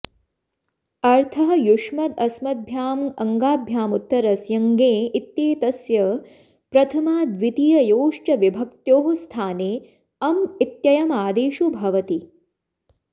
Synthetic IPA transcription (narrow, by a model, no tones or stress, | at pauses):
ɐɾt̪ʰɐɦɐ̆juʂmɐd̪ɐsmɐd̪̚bʱjaːmɐŋɡaːbʱjaːmut̪ːɐɾɐsjɐŋɡeːit̪jeːt̪ɐsjɐ | pɾɐt̪ʰɐmaːd̪ʋit̪ijɐjoːʂt͡ʃɐʋibʱɐkt̪joːɦɐst̪ʰaːneː | ɐmit̪jɐjɐmaːd̪eːʃubʱɐʋɐt̪i